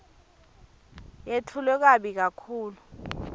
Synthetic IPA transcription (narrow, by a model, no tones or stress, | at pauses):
jetʰulɛk̬aɓik̬akʰuːlu